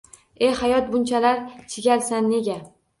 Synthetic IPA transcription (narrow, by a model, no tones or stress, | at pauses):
e̞hajɒt̪̚bʊnt͡ʃʰalaɾt͡ʃʰɪɡʲalsanːe̞ɡʲa